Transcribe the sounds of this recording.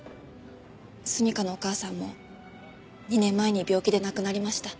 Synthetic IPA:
sɨɲ̟ikano̞okaːsãmːo̞̰ | ɲ̟inẽmːae̞ɲ̟ibʲo̞ːkʲid̪e̞nakɯ̟naɾʲimaɕi̥t̪a

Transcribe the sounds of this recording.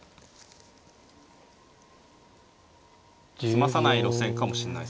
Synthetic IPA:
sɨmasanaiɾo̞sẽ̞ŋkamo̞ɕiɾenːa̰is

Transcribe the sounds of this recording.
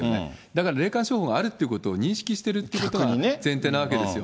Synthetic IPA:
joned̪akaɾaɾe̞ːkãɕo̞ːhoɡaaɾɯ̟t̪ːeiɯ̟ko̞t̪o̞ːɲ̟ĩɕi̥kʲiɕi̥t̪e̞ɾɯ̟t̪ːeiɯkot̪o̞ɡainzẽ̞nt̪e̞ːnaβak̬e̞d̪esɨjo

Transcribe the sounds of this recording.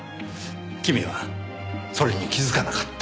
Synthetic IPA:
kʲimʲiβa | so̞ɾʲeɲikʲizɨkanakḁt̪ː

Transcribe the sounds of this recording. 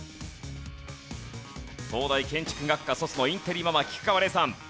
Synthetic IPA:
so̞ːd̪aikẽ̞ɲ̟t͡ɕi̥kɯ̟ɡakːaso̞sɨno̞ĩnt̪eɾʲimamakʲi̥kɯ̟̥kaβaɾe̞sãn

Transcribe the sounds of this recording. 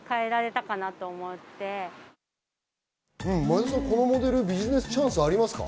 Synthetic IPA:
kae̞ɾaɾe̞t̪akanat̪o̞ːmo̞t̪ːe̞ | ɯ̟̃ɴmad̪asãko̞no̞mo̞d̪e̞ɾɯ̟bʲiʑine̞sɨ̥t͡ɕãɰ̃sɨaɾʲimasɨ̥ka̰

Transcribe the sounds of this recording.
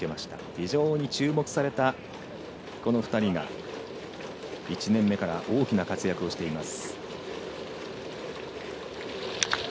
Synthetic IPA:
e̞maɕi̥t̪a̰çiʑo̞ːɲ̟it͡ɕɨːmo̞kɯ̟̥saɾe̞t̪a | ko̞no̞ɸɯ̟̥t̪aɾʲiŋa̰ | it͡ɕinẽ̞mːe̞kaɾaʔo̞ːkʲinakat͡sɨjakɯo̞ɕi̥t̪e̞imasɨ̥

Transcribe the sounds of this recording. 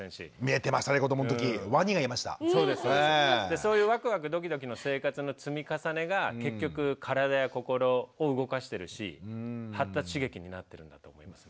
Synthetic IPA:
ẽɰ̃ɕḭmʲie̞t̪e̞maɕi̥t̪aɾekod̪omonot̪okʲiβaɲ̟iɡaimaɕi̥t̪a̰so̞ːd̪esɨd̪e̞so̞ːjɯ̟ːβakɯ̟βakɯ̟d̪o̞k̬ʲid̪o̞k̬ʲino̞se̞ːkat͡sɨno̞t͡sɨmʲikasane̞ɡake̞kʲːo̞kɯ̟kʰaɾad̪ajako̞ko̞ɾo̞ːɯɡo̞kaɕi̥t̪e̞ɾɯ̟ɕḭhat̪ːaɕiɡe̞kʲiɲ̟inat̪ːe̞ɾɯ̟̃nd̪at̪o̞ːmo̞imasɨ̥

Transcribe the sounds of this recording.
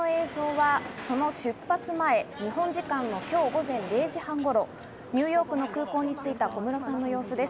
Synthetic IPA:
oe̞ːzo̞ːβaso̞no̞ɕɨpːat͡sɨmae̞ɲ̟ihõ̞ɲ̟d͡ʑikãnːo̞kʲo̞ːɡo̞zẽ̞nɾe̞ːʑihãŋɡo̞ɾo̞ | ɲ̟ɨːjo̞ːkɯ̟no̞kɯ̟ːko̞ːɲ̟it͡sɨit̪ako̞mɯ̟ɾo̞sãnːo̞jo̞ːsod̪e̞s

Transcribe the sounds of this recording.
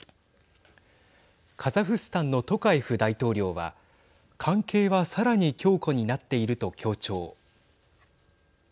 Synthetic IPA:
kʰazaɸɯ̟sɨ̥t̪ãnːo̞t̪o̞kaiɸɯ̟d̪ait̪o̞ːɾʲo̞ːβa̰ | kʰãŋke̞ːβasaɾaɲ̟ikʲo̞ːko̞ɲ̟inat̪ːe̞iɾɯ̟t̪o̞kʲʰo̞ːt͡ɕo̞ː

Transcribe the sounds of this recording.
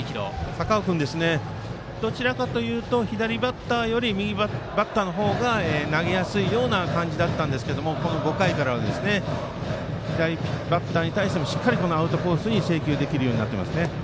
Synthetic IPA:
ikʲiɾo̞̰sakaokɯ̟̃nd̪e̞sɨne̞ | d̪̥o̞t͡ɕiɾakat̪o̞jɯ̟ːt̪o̞çid̪aɾʲibat̪ːaːjo̞ɾʲimʲiɡʲibat̪ːaːno̞ɦo̞ːɡaeːnaɡe̞jasɨijo̞ːnakãɲ̟d͡ʑid̪at̪ːãnd̪esɨ̥ked̪o̞mo̞ko̞no̞ɡo̞kaikaɾaβ̞ad̪e̞sɨne̞ | çid̪aɾʲibat̪ːaːɲ̟it̪aiɕi̥t̪e̞moɕi̥kːaɾʲiko̞no̞aɯ̟t̪o̞po̞ːɯsɨɲ̟ise̞ːkʲɨːd̪e̞kʲiɾɯ̟jo̞ːɲ̟inat̪ːema̰sɨne

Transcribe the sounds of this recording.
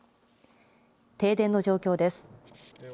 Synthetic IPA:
t̪e̞ːd̪ẽ̞nːo̞ʑo̞ːkʲo̞ːd̪e̞sɨ̥

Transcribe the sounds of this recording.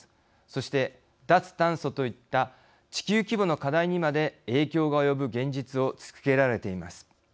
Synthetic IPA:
so̞ɕi̥t̪e̞ | d̪at͡sɨ̥t̪ãɰ̃so̞t̪o̞it̪ːa | t͡ɕi̥kʲɨːkʲibo̞no̞kad̪aiɲ̟imad̪e̞e̞ːkʲo̞ːɡaojo̞bɯ̟ɡẽ̞ɲ̟d͡ʑit͡sɨo̞t͡sɨ̥kke̞ɾaɾe̞t̪e̞ima̰sɨ̥

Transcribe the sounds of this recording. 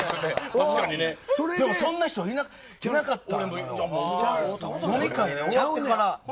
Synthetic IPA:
aaid̪emosõ̞nːaçʲi̥t̪oina | inakat̪ːa̰ | jomʲikaid̪eojat̪ekaɾa

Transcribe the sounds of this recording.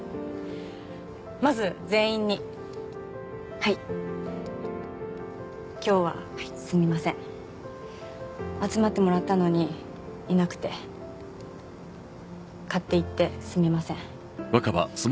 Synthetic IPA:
mazɨze̞ːĩɲ̟ːi | hai | kʲo̞ːβa̰ | sɨmʲimasẽɴ | at͡sɨmat̪ːe̞mo̞ɾat̪ːano̞ɲ̟i | inakɯ̟̥t̪e̞ | kat̪ːe̞it̪ːe̞sɨmʲimasẽ̞ɴ | βakaba̰so

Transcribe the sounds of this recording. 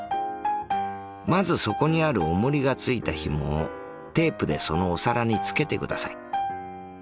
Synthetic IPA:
mazɨso̞ko̞ɲ̟iaɾɯ̟omoɾʲiɡat͡sɨit̪açimo | t̪e̞ːpɯ̟d̪e̞so̞no̞ːsaɾaɲ̟it͡sɨ̥ke̞t̪e̞kɯ̟d̪asa̰i

